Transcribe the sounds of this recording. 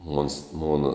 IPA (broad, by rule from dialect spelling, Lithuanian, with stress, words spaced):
moːns ˈmoːnɐ